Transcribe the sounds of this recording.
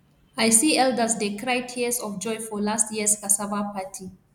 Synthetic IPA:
ajsiɛldəsdekɹaɪtʰisɔfd͡ʒɔ̃jfɔlastjiskasavapʰatʰi

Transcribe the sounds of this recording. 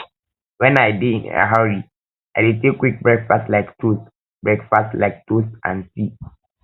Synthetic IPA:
wɛ̃najbiĩnə̰ɦaɹi | ajditekwik̚bɹɛɡfastlaɪktus | bɹɛɡfastlaɪk̚tusʔã̰nsi

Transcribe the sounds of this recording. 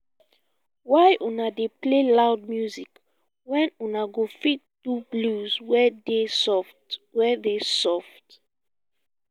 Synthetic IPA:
wajʔunadeplelaʊd̚mjuzik | wɛ̃nunaɡofit̚d̥ubluzwɛdesɔftwɛdesɔft

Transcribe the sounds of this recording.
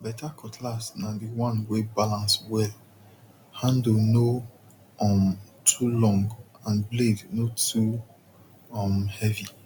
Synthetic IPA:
bɛtakʰɔtʰlasnãdiwɔ̃nwebalãnswɛl | hãndlno | ɔmtʰulɔ̃ŋɡãnblednotʰu | ɔmhɛvi

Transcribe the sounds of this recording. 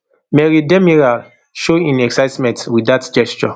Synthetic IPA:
mɛɹidɛmiɹal | ʃoĩnɛksaɪtmɛ̃ntwiatd͡ʒɛst͡ʃɔ

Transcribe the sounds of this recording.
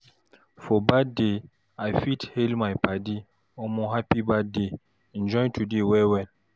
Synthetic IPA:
fɔbade | ajfithelmajpadi | ɔmɔ̃ɦapibade | ind͡ʒɔ̃jntʰudewɛwɛn

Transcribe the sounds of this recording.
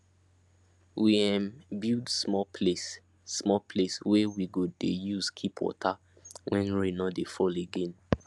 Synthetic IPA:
wiɛ̃mbildsmɔpʰlesː | mɔpʰleswɛwiɡodejuzkʰipʰwɔ̰tʰa | wʔɛ̃nɹinɔdefɔleɡẽn

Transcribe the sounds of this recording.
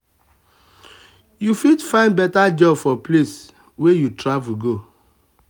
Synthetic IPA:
jufidfãɪ̃ndbɛtad͡ʒɔbfɔples | wejutɹavuɡo

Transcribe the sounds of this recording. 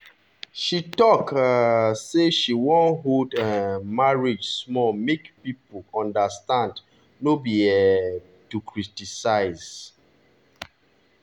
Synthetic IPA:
ʃitɔk | seʃiwɔ̃nɦodãmaɹid͡ʒsmɔlmekpipəlɔ̃ndəstãnd | nobiɛ | tukʰɹitisaɪz

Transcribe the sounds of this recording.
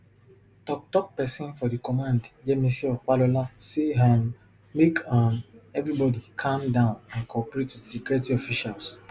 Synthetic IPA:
tɔk̚tɔk̚pɛsĩnfɔdikɔmãndd͡ʒɛmisɛkwalolaseɦãm | mekʰãnɛvɾibɔdikʰãmdãʊ̃nãnkʰɔpɹetːusikɹɛtiɔfiʃals

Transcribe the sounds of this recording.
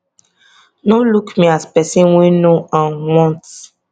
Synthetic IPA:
nolukmiaspɛsĩnwinoʔãnwɔ̃nt

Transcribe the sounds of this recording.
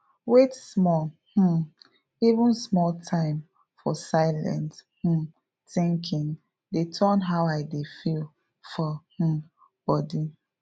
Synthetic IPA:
wetsmɔlh̩ | ivũnsmɔltʰãɪ̃m | fɔsaɪlɛ̰̃nth̩ | θɪ̃ŋkʰĩn | detʰɜnɦawaɪdefil | fɔh̩ | b̥ɔdi

